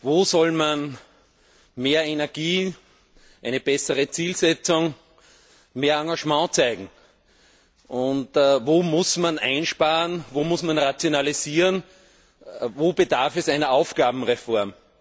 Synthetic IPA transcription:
voːsɔlman | meːɐenɛɐɡ̥iː | ʔæɪnəb̥ɛsəʁət͡siːlsɛt͡sʊŋ | meːɐɑ̃ŋɡaʒmɑ̃ːt͡sæɪɡŋ̩ | ʔʊntːvoːmʊsmanæ̃ɪnʃpaːʁənvoːmʊsmanʁat͡sjonaliziːʁən | voːbədaɐfɛsæɪnɐɑʊfɡ̥aːbm̩ʁefɔɐm

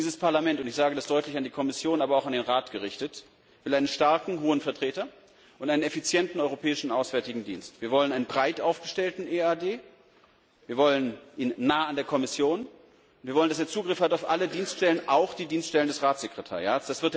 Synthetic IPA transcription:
iːzəspʰaɐlamɛntʊntɪçz̥aːɡədasd̥ɔʏtlɪçandiːkʰɔmɪsjoːnaːbɐaʊxandeːnʁaːtɡ̥əʁɪçtət | vɪlʔaɪnənʃtaɐkŋ̩ɦoːənfɛɐtʁ̥eːtɐ | ʔʊntʔaɪnənɛfit͡sjɛntn̩ɔʏʁopʰɛːɪʃn̩aʊsv̥ɛɐtɪɡŋ̩dḭːnstv̥iːɐvɔlənʔaɪnənbʁaɪtʔaʊfɡ̥əʃtɛltn̩eaːdeː | viːɐvɔlənʔiːnːaːəandeːɐkʰɔmɪsjoːn | ʊntviːɐɔləndaseːɐt͡suːɡʁɪfhataʊfʔalədiːnstʃtɛlənʔaʊxd̥iːdiːnstʃtɛləndɛsʁaːtz̥ekʁ̥etʰa̰ɐʁjaːtsd̥asv̥ɪɐt

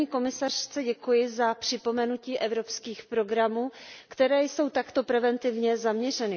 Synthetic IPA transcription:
ɲiːko̞mɪsar̝̥t͡sɛɟɛkujɪzapr̝̥ɪpo̞mɛnuciːʔɛvɾo̞pskiːxpɾo̞ɡɾamuːkt̪ɛɾɛːjso̞wt̪akt̪o̞pɾɛvɛnt̪ɪvɲɛzamɲɛr̝ɛnɪ

